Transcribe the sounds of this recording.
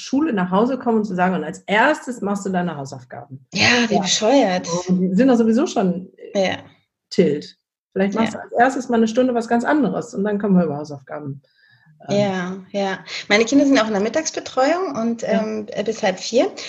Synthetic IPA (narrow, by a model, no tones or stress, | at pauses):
ʃuːlənaːχɦaʊzəkʰɔmənʊntt͡suzaːɡŋ̩ʊntalsʔeːɐstəsmaχstd̥uːdaɪnəɦaʊsaʊfɡ̥a̰ːbm̩jaːviːbəʃɔʏɐtzdiːzɪntdɔχz̥oːvizoːʃoːnja | tʰɪlt | fɪlaɪçtmaχstd̥uːalsʔeːɐstəsmaːlnəʃ̬tʊndəvas̬ɡ̥ant͡sʔandəʁəsʊntd̥ankʰɔmənviɐʔyːbɐhaʊsaʊfɡ̥a̰ːbm̩ | ʔɛajaːmaɪnəkʰɪndɐzɪntjaʊxɪndɛɐmɪtaːksb̥ətʁ̥ɔʏʊŋʊntʔɛːmːbɪshalpfiːɐ